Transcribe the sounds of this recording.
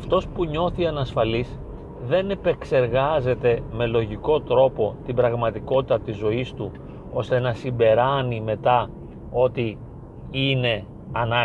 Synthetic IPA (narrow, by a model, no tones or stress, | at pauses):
ɐft̪o̞spuɲo̞θiɐnɐsfɐlis | ðe̞ne̞pe̞kse̞ɾɣɐze̞t̪e̞me̞lo̞ʝiko̞t̪ɾo̞po̞t̪ibɾɐɣmɐt̪iko̞t̪it̪ɐt̪izo̞ist̪u | o̞st̪e̞nɐsimbe̞ɾɐnime̞t̪ɐ | o̞t̪i | ine̞ | ɐnɐ